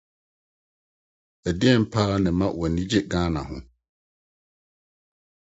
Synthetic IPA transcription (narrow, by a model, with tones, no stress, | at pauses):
æ˨dɪ˦ɛ˦˨m̩˦pʰaː˦nɪ̃˨mã˦wɔ˨nĩ˦d͡ʑe˦ɡãː˦nã̰˨ɦʊ̰̃˦